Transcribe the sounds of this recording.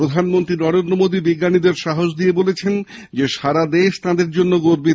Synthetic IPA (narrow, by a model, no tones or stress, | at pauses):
ɾod̪ʱanmont̪ɾinɔɾend̪ɾomod̪ibiɡːanid̪eɾʃaɦoʃd̪iebolet͡ɕʰen | d͡ʑeʃaɾad̪eʃt̪ãd̪eɾd͡ʑonːoɡoɾbi